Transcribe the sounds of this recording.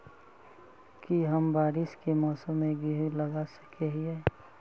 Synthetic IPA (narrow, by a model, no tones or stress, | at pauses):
kiɦəmbaːɾɪʃkemɔːsəmːẽɡiɦləɡasə̥keɦɛː